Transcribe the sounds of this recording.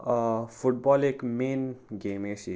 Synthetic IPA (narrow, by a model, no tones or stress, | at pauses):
fʰuʈ̚bɔːleːkmeːnɡemesi